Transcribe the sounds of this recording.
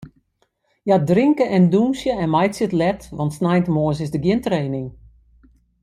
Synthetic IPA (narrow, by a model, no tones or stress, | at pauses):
jadrɪŋkəʔɛndunsjəɛnmajtsjɪtlɛtʋɔntsnɛjntəmosɪsdəɡjɪəntreːnɪŋ